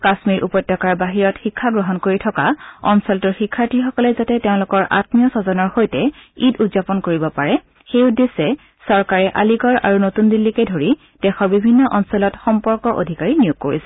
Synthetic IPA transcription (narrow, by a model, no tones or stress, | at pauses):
kasmiɹʔupɔjtːɔkaɹbaɦiɹɔtxikʰːaɡɹɔɦɔnkoɹitʰɔkaɔ̰nsɔltʊɹxikʰːaɹtʰixɔkɔlɛzatɛteʊ̃lʊkɔɹʔa̰tmijɔsɔzɔnɔɹxojtɛidudzapɔnkoɹibɔpaɹɛ | xeʊdesɛ | sɔɹkaɹɛʔaliɡɔɹa̰ɹunotundilːikɛdʱoɹi | d̥ɛxɔɹbibʱinːɔʔɔnsɔlɔtxɔmpɔɹkɔʔo̰dʱikaɹinijuɡ̚kːo̰ɹisɛ